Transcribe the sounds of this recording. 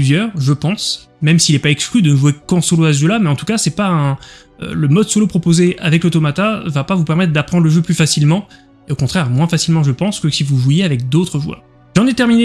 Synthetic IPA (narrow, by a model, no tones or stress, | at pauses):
pyzjœːʁʒəpɑ̃s | mɛmsiːlɛpaɛksklyd̪ənəʒwekɑ̃soloaʒølamɛɑ̃t̪ukasɛpaɛ̃ | ø̰ləmɔd̪solopχɔpozeavɛklət̪omat̪avapavupɛʁmɛt̪χd̪apχɑ̃d̪ʁləʒøplyfasilmɑ̃ | eokɔ̃t̪χɛʁmwɛ̃fasilmɑ̃ʒəpɑ̃skəsivuʒwajeavɛk̚d̪ot̪χəʒwœ̰ː | ʒɑ̃nɛt̪ɛʁmine